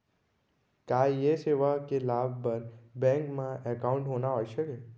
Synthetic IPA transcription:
kaːjeseːʋakelaːbʱpəɾbɛ̃ŋkmãʔɛkaʊ̃ɳʈɦonaɦoːjʃəke

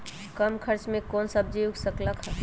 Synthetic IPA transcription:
kəmkʰəɾt͡ʃmẽkɔːnsəb̚d͡ʒijuɡsəkləkɦɛ̃

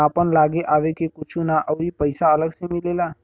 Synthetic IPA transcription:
aːpənlaːɡeʔaːʋekekʊt͡ʃʰũnaʔɔːɦipəɪsaɐləɡsemɪleːlaː

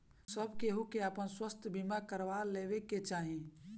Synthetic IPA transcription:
səbkeɦukeəpənswəst̪ʰbimakəɾʋaleːʋeket͡ʃaːɦĩ

